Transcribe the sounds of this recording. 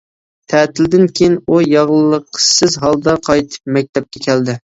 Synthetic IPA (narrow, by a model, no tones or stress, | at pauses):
t̪ʰɛːt̪ʰɪld̪ɪnkʲʰejinujɑʁlˠəlˠːəqʰːsɨzɦɑlˠd̪ɑqʰɑjt̪ʰɨ̥p̚mɛk̚ʲt̪ʰɛp̚kʲɛkʲʰɛld̪ɪ